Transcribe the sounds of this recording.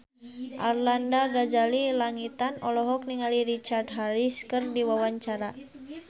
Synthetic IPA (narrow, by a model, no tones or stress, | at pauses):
ʔarlandaɡad͡ʒalilaŋit̪anɔlɔɦɔk̚niŋaliɾit͡ʃardɦaɾiskɨrdiwawaɲt͡ʃaɾa